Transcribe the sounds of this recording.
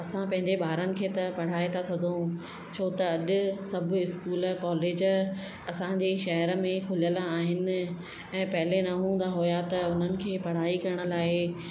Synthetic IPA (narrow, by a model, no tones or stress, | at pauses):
ɐsãpɐ̃ɦɪ̃ɲd͡ʑeɓaːɾənɪ̆kʰeːt̪ɐpɐɽ̤aːet̪ʰasɐɡʱo | t͡ɕʰoːt̪ɐɐɗʊ̆sɐb̆ʱɪskuːləkɔːleːd͡ʑ | ɐsãd͡ʑeːʃɐɦəɾə̆mẽkʰʊlijəlaaːɦɪnɪ̆ | ɛ̃ːpɐɦɪlenɐɦũːn̆d̪aɦʊjat̪ɐʊn̤ənɪ̆kʰeːpɐɽ̤aːikɐɾəɽ̃ə̆laːe